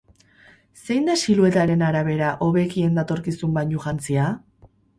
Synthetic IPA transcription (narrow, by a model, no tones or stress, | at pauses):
se̞jnd̪asilue̞t̪aɾe̞naɾaβ̞e̞ɾaʔo̞βe̞kie̞nd̪at̪o̞ɾkisumbaɲuʝant͡sia